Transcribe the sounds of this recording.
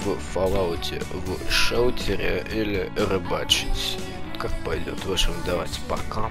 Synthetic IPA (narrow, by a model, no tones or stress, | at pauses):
vfɐlˠaʊtʲɪ̰vʂowtʲɪɾʲɪ̰ʔilʲɪrɨbat͡ɕɪtʲ | t̪kak̚pɐjdʲo̰t̪vaʂəmd̪ɐva̰tʲpɐ̰ka